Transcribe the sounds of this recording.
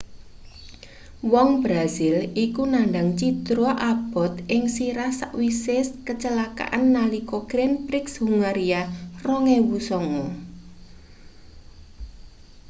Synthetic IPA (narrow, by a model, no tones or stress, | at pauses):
wɔŋbɾazɪlikunaɳɖaŋt͡ʃit̪ɾoʔab̥ɔ̤t̪ɪŋsiɾahsa̰ʔwisɪskət͡ʃəlaka̰ʔanːalikɔɡ̥ɾɛnpɾɪkshuŋaɾiarɔŋewusɔŋɔ